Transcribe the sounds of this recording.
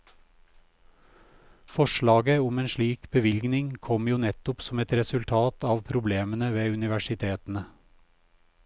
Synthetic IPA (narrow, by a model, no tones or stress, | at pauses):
fɔʃɭɑːɡəʊmeːnʃɭiːkb̥əʋɪlɡnɪŋkʰɔmjuːnɛt̪ʊpsɔmɛt̪ɾɛsʉlt̪ʰɑːt̪ɑːʋpʰɾʊbleːmənəʋeːʉnɪʋæʃɪt̪ʰeːt̪n̩ə